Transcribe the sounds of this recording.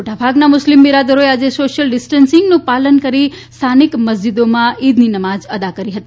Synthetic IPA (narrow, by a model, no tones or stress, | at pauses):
moʈabʱaɡnamʊslimːiɾad̪əɾoead͡ʒesoʃjəlɖɪsʈənsɪŋɡnũpalənkəɾist̪ʰanikməs̬d͡ʒid̪omãid̪ninəmad͡ʒəd̪akəɾiɦət̪i